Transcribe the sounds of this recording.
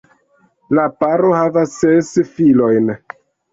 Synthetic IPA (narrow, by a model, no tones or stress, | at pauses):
lapaɾohavasːesfilo̞jn